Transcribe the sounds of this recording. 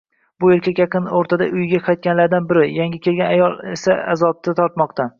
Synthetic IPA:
bʊeɾkʲʰakʲjaqʰɨnoɾt̪ʰad̪a̰ʔʊjɡʲaqʰɑjt̪̚kʲanlaɾd̪anbɪɾɪjaŋʲɪkʲʰelɡʲanajɒlˠe̞saa̰zɒb̚t̪ʰat̪ʰɒɾt̪mɒqt̪ʰa

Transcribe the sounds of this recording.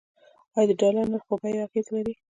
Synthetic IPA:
ɑjɑd̪əɖɑlaɾnaɾxobajaxet̪laɾi

